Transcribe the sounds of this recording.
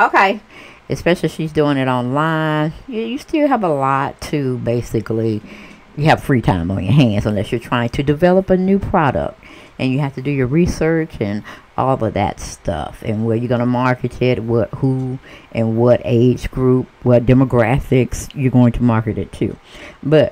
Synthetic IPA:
oʊkʰeɪ | ʔɨspɛʃl̩ˠiʃizdʉɪ̃ŋɨɾɑ̃nlãɪ̃njɨjɨstɪlˠəvəlɔtʰɨbeɪsɨkli | jɨːv̥fɹitʰã̰ɪ̃mə̃njə̰˞ɦæ̃ndzə̃nlɛsjə˞tʰɹ̥aɪɪ̃ŋtʰɨdɨvɛlˠəpɨnʉpʰɹ̥ɑɾə̰k̚t̚ | ʔɨ̃njɨɦæftɨdɨjə˞ɹisɜ˞t͡ʃɨ̃nʔɔ̰lˠʌvðɨ̰tstʰʌ̰fɨ̰̃nwəjə˞ɡʌnəmɑɹkɨɾɪt̚wʌt̚huʔɨ̃nwʌɾḛɪd͡ʒɡɹup̚wʌt̚d̥ɛməɡɹæfɪksjə˞ɡoʊɪ̃ŋtʰəmɑɹkɨɾɨ̰tʰʉ̰b̥ʌt̚

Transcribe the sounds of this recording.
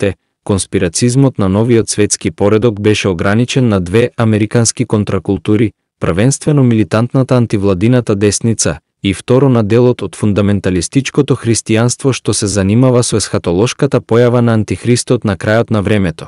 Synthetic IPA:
t̪ɛ | konspiɾat̪sizmɔt̪nanɔvijɔt̪svɛt̪skipɔɾɛd̪ɔɡbɛʃɛoɡɾanit͡ʃɛnːad̪vɛamɛɾikanskikɔnt̪ɾakulˠt̪uɾi | pr̩vɛnst̪vɛnɔmilit̪ant̪nat̪aːnt̪ivlˠad̪inat̪ad̪ɛsnit̪sa | ift̪ɔɾɔnad̪ɛlˠɔt̪ɔt̪fund̪amɛnt̪alist̪it͡ʃkɔt̪ɔxɾist̪ianst̪vɔʃt̪ɔsɛzanimavasɔɛsxat̪ɔlˠɔʃkat̪apɔjavanaːnt̪ixɾist̪ɔt̪nakɾajɔt̪navɾɛmɛt̪ɔ̥

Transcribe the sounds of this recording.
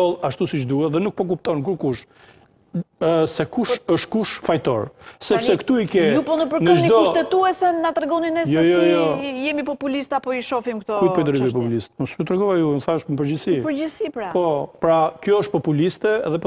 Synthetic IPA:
ɔlˠaʃt̪usiʃ̬d̪uɛðɛnuk̚pɔk̬upt̪ɔnkuɾkuʃ | sɛkuʃəʃt̪kuʃfajt̪ɔ̰ɾsɛpssɛkt̪uikɛjupɔnəpəɾnəʒnid̪kɔuʃt̪ɛt̪uɛsɛnat̪ɾɛɡɔninɛjjɔjɔjɛmipɔpulist̪apɔiʃɔfimkt̪ɔkupɔid̪əɾɡɔjpɔpulist̪sjut̪ɾɛɡɔajunθaəʃməp̬əɾd͡ʒisipəɾd͡ʒisipɾapɔpɾakjɔəʃt̪̚pɔpulist̪ɛɛðɛpɔ

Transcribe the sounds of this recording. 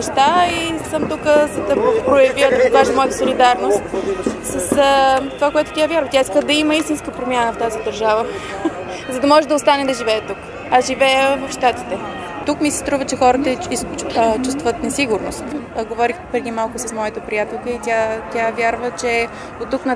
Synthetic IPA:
ɛʃt̪aisəmt̪ukəzɐd̪ɐpɾojɐviəd̪vaʒəmɔɛt̪əsolid̪aɾnost̪səsət̪ovakoɛt̪ʊ̥t̪ʲjavʲjaɾvət̪jaiskəd̪ɐiməist̪inskəpɾomʲjanəft̪azid̪ɐɾʒavə | zɐd̪ɐmɔʒɛd̪ɐost̪anɛd̪ɐʒivɛːt̪uk | azʒivɛjəvɐfʃt̪at̪i̥t̪ɛ | t̪ukmisɛst̪ɾuvət͡ʃɛxɔɾət̪əiskt͡ʃːt͡ʃust̪vət̪nɛsiɡʊɾno̰st̪ɡovɔɾixpɾɛd̪imalˠkʊsɐsmɔjət̪əpɾijat̪ɛlˠkəit̪ʲjat̪ʲjavjaɾvət͡ʃɛ | ot̪ːuknɐ

